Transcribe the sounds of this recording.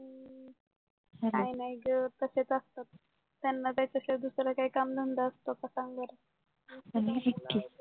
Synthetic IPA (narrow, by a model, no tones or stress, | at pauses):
əɾinajɡt̪əset͡səst̪at̪̚ː | janːat̪jat͡ɕased̪usɾakaikamd̪ʱənd̪aəst̪okasãŋɡaɾa | ənaɦekːi